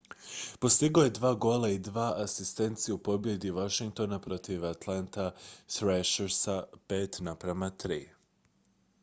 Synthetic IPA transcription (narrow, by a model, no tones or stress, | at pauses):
po̞st̪iɡojed̪ʋaːɡo̞lˠaid̪ʋaːʔasist̪e̞nt̪sijupo̞bje̞d̪iʋaʃiŋk̚t̪o̞napɾo̞t̪iʋat̪lˠant̪asɾɛʃeɾsapeːt̪napɾamat̪ɾiː